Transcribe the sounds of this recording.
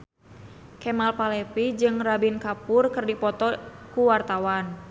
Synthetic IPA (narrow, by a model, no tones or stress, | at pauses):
kɛmalpalɛpid͡ʒɨŋrabinkapʊrkɨrdipɔt̪ɔkuwart̪awan